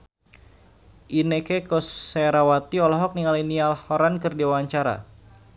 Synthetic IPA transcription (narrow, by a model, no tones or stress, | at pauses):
ʔinekekɔseɾawat̪iɔlɔɦɔk̚niŋalinialhɔɾankɨrdiwawaɲt͡ʃaɾa̰